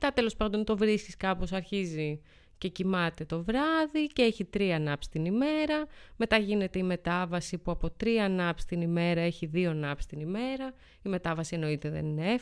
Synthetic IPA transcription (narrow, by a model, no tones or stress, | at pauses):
t̪ɐt̪e̞lo̞spɐnd̪o̞nt̪o̞vɾisciskɐpo̞sɐɾçizi | ce̞cimɐt̪e̞t̪o̞vɾɐðiceeçit̪ɾiɐnɐpsi̥t̪inime̞ɾɐme̞t̪ɐʝine̞t̪e̞ime̞t̪ɐvɐsipuɐpo̞t̪ɾiɐnɐpst̪inime̞ɾɐe̞çiðio̞nɐpsi̥t̪inime̞ɾɐ | ime̞t̪ɐvɐsie̞no̞it̪e̞ðe̞̰ninee